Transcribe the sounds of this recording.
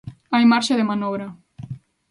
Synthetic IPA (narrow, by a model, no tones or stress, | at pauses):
ajmaɾʃeðemanɔβ̞ɾa